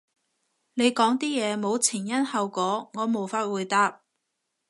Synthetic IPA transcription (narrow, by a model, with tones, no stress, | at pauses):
ne˨˧jkɔː˨˥ŋt̪iː˥jɛː˨˧mo˨˧wt͡sʰɪː˨˩ŋjɐ˥nhɐ˨˧wkɔː˨˥ŋɔː˨˧mo˨˩wfaː˧t̚wuː˨˧jt̪aː˧p̚